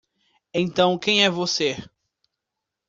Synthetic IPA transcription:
ẽnt̪ɐ̃w̃kẽj̃ɛvose

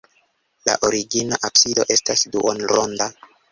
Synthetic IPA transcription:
la̰ʔoɾiɡinaʔapsido̞ʔe̞stasduʔonɾonda

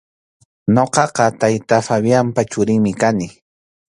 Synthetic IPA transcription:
ɲoqɑqɑt̪ajt̪afaβjampat͡ʃʊɾɪŋmɪkanɪ

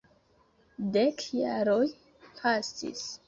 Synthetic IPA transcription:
dekjaɾoj | pʰastḭs

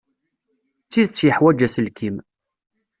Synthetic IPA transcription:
t͡sːiðt͡sːjəħwæd͡ʒæsəlkʰim

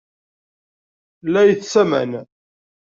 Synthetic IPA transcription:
læjəθsæmæ̰n

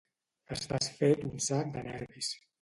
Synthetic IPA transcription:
əstasfet̪unsak̚d̪ənɛɾβis

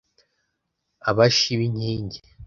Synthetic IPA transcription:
aβaʃiβiɲhiːɲɟe

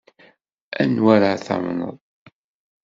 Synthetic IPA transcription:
ænwæɾaθa̰mnə̰ðˤ

